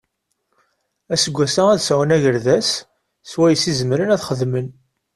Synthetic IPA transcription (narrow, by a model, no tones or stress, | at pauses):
æsəɡʷːæsææðsæwənæʝəɾðæsː | wæjəsizəmɾənæθχəðmən